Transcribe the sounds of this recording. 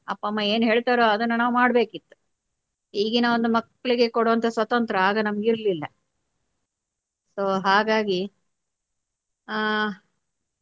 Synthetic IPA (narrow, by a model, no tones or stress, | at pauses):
ɐ̰pːɐmːɐe̞ːnɦe̞ːɭt̪aːɾoːɐd̪ɐnːɐnaːʋumaːɽbe̞ːkit̪ːu̥ | hiːɡenaʋond̪umɐkːɐɭiɡe̞koɽoʋɐnt̪ʰɐsʋɐt̪ɐnt̪ɾɐaːɡɐnɐmɐɡiɾlilːɐ | soːɦaːɡaːɡi